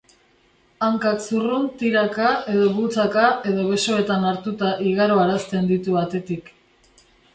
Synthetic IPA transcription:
aŋkaksurunt̪iɾakaʔe̞ðo̞βut͡sakae̞ðo̞βe̞so̞e̞t̪anaɾt̪ut̪aʔiɣaɾoaɾast̪e̞nd̪it̪uβat̪e̞t̪ik

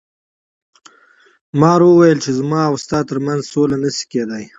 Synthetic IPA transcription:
mɑɾwəwajəlt͡ʃezmɑawst̪ɑːt̪əɾmanzsolanəsi̥ked̪aj

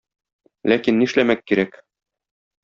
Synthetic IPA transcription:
lækinːiɘ̆ʃlæmækːiɾæk

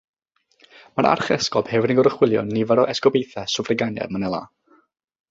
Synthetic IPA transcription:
maɾʔa̰rχɛskɔb̥hɛvɪɾəŋɡɔɾəχwɪlˠjɔ̰nːivaɾɔʔɛskɔbejθɛsʊvrɪɡanjɛ̰mənɛlˠa̰ː

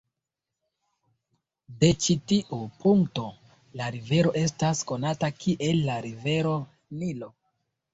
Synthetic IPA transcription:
de̞t͡ʃitiʔupuŋkto̞ | laɾive̞ɾo̞ʔe̞s̬tasko̞natakʰiʔe̞lːaɾive̞ɾo̞ | nilo̞

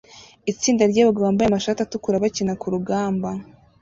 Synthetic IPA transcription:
it͡siːndaɾɟaːβaɡaβaːmbajamaʃatatukuɾaβacinakuɾuɡaːmba

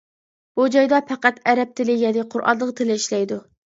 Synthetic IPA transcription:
b̥ud͡ʒɑjd̪ɑpʰæqæt̪æɾɛp̚t̪ʰɪlɪjɛnɪqʰʊɾʔɑ̰nlˠəʁqt̪ʰɪlɪiʃlɛjd̪u

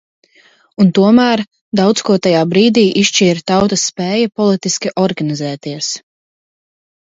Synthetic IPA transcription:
unt̪uɔmæːɾ | d̪awt̪skuɔt̪ajaːbɾiːd̪iːʔiʃt͡ʃiːɾt̪awt̪asːpɛːjapɔlˠit̪iskʲiʔɔɾɡanizɛːt̪iɛs

